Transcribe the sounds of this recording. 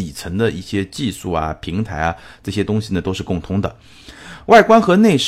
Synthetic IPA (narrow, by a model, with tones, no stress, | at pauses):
i˨˩t͡sʰə˧˥ŋd̪ə˧ʔḭ˥˩ɕjɛ˥t͡ɕi˥˧ʂu˥˩ɐ̰˩pʰi˧˥ŋt̪ʰa˧˥ɪɐ˧ʈ͡ʂɤ˥˩ɕjɛ˥t̪ʊ˥ŋɕi˨˩nə˩t̪o˥ʊʂɻ̩˥˧kʊ˥˩ŋt̪ʰʊ˧˥ŋd̪ə̰˨ | wa˥˩ɪkwa˥nxɤ˧˥ne˥˧ɪʂ